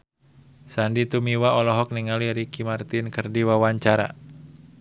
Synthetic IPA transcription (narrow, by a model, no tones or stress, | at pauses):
sandit̪umiwaɔlɔɦɔk̚niŋaliɾikimart̪inkərdiwawaɲt͡ʃaɾa̰